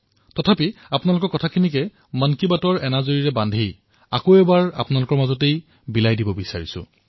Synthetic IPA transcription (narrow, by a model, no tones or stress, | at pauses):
tɔtʰapiapʊnalʊkɔɹkɔtʰakʰinikɛ | mankibatɔɹɛnazoɹiɹɛbandʱij | a̰koɛbaɹa̰pʊnalʊkɔɹmazɔtej | bilajdibɔbisaɹisʊ̰̃